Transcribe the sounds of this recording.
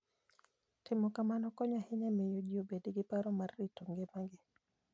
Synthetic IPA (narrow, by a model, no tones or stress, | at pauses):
tɪmɔkamanɔkɔɲahɪɲɛmɪjod͡ʒiobediɡɪpaɾɔmarːitɔŋɡemaŋɡɪ